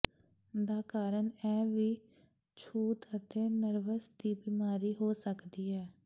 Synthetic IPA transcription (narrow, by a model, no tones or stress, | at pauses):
d̪aːkaːɾəɳɛːʋiː | t͡ʃʰuːt̪ət̪eːnəɾʋəsd̪iːbiːmaːɾiːɦoːsəkd̪iːɛː